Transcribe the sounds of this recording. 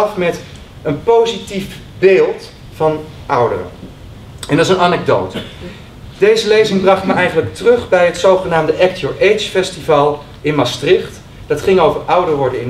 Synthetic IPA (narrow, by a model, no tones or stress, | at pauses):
ɑfmɛt | ənpowzitif | beːlˠt | fɑn | ʌwdə̰rə̰ | ɛndsənɑnɛɡ̚dowt | d̥ejzəlejzɪŋbrɑχtməʔɛjχənləktrɵχbɛjətsowχənaːmdəʔɛk̚tjoɹʔejt͡ʃfɛstivaːlˠ | ɪnmɑstrɪχt | d̥ɑtχɪŋowvərʔʌwdərʋɔɹdənɪn